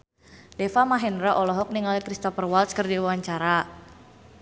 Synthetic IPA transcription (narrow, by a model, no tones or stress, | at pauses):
dɛfamaɦɛnɾaʔɔlɔɦɔk̚niŋalkɾist̪ɔpərwalskərdiwwaɲt͡ʃaɾa